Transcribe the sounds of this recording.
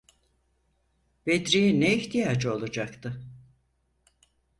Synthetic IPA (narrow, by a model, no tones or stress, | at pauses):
b̥ed̪ɾijineiçt̪ijaːd͡ʒɯo̞lˠad͡ʒakt̪ʰɯ